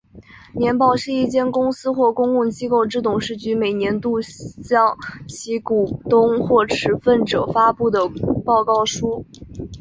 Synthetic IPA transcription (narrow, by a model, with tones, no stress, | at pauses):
njɛ˧˥npɑ˥˩ʊɕi˥˧i˥˩t͡ɕjɛ˥˩nkʊ˥ŋsɹ̩˥xwɔ˥˩kʊ˥ŋʊ˥˩ŋt͡ɕi˥ko˥˧ʊʈ͡ʂɻ̩˥˩t̪ʊ˨˩ŋʂɻ̩˥˩t͡ɕy˧˥me˨˩ɪnjɛ˧˥nt̪u˥˧ɕɑ˥˩ŋt͡ɕʰi˧˥ku˨˩t̪ʊ˥ŋxwɔ˥˩ʈ͡ʂʰɻ̩˧˥fə˥˩nʈ͡ʂɤ˨˩fa˥pu˥˩d̪ə˩pɑ˥˧ʊkɑ˥˩ʊʂu˥